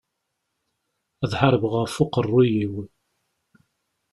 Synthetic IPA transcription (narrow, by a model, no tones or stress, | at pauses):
æðħəɾəbʁəɾfʊqərˤːujiwi